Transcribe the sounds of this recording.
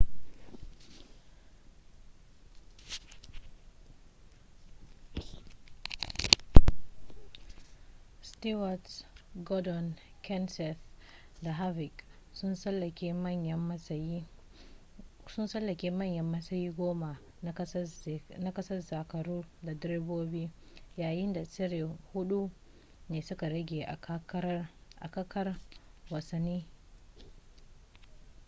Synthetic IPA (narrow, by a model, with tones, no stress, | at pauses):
sti˦wa˨tɡɔ˦dɔ˨n | kʰɛ˦nsɛ˨s | da˨ɦa˦vɪ˨k | sʊ˦nsɐ˦lɐ˨kʲeː˦mɐ˦˨ɲjɐ˦mːɐ˦sɐ˨ji˦ | sʊ˦nsɐ˦lːɐ˨kʲeː˦mɐ˦˨ɲjɐ˦mːɐ˦sɐ˦jiː˦ɡʷoː˦ma˨˦ | na˦kɐ˦sɐ˦rza˨kɐ˨ɾuː˦da˨dɾe˦boː˦biː˦ | jaː˨jɪ˦nda˨t͡ʃɪ˦ɾi˨hʊ˦ɗu˦ | neː˨sʊ˦ka˨ɾɐ˦ɡʲeː˨ʔa̰˨ka˦kʔa̰˨kɐ˦kɐ˦rwɐ˨sɐ˦nːiː˦